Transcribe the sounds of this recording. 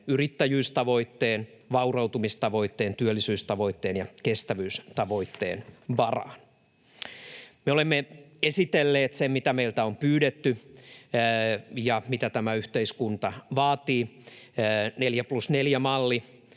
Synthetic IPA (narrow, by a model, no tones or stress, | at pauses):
yrit̪ːæjyːst̪ɑʋo̞it̪ːeːn | ʋɑurɑut̪umist̪ɑʋo̞it̪ːeːnt̪yølːisyːst̪ɑʋo̞it̪ːeːnjɑkest̪æʋyːst̪ɑʋo̞it̪ːḛːnʋɑrɑ̰ːn | meolemːeesit̪elːeːt̪semmit̪æmeilt̪æompyːdet̪ːy | jɑmit̪æt̪æmæyht̪eiskunt̪ɑʋɑːt̪iː | neljæplusneljæmɑlːi